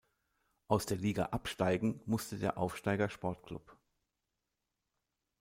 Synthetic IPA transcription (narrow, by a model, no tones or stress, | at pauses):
ʔaʊsd̥eːɐliːɡa̰ʔapʃtaɪɡŋ̩mʊstədeːɐʔaʊfʃtaɪɡɐʃpɔɐtkl̥ʊ̰p